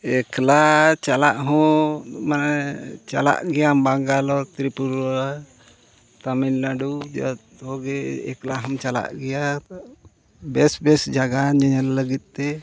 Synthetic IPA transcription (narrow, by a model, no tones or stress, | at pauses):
ɛklat͡ʃalaʔɦɔ̃mant͡ʃa̰la̰ʔɡɛjambaŋɡalɔɾt̪ɾipuɾɔɾa | t̪aminlaɖud͡ʒt̪ | hɔɡɛɛ̰klaɦɔmt͡ʃala̰ʔɡɛja | bɛsbɛsd͡ʒaɡanɲaɲalləɡit̪̚ˀt̪ɛ